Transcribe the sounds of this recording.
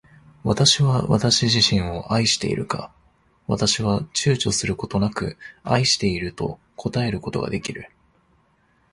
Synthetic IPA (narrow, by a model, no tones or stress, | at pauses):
βat̪aɕiβaβa̰t̪aɕiʑiɕĩɰ̃o̞ʔaiɕi̥t̪e̞̰ḭɾɯ̟ka̰ | βat̪aɕiβat͡ɕɨːt͡ɕo̞sɨɾɯ̟ko̞t̪o̞nakɯ̟aiɕi̥t̪e̞iɾɯ̟t̪o̞̰ | kʰo̞t̪ae̞ɾɯ̟ko̞t̪o̞ɡa̰d̪e̞kʲiɾɯ̟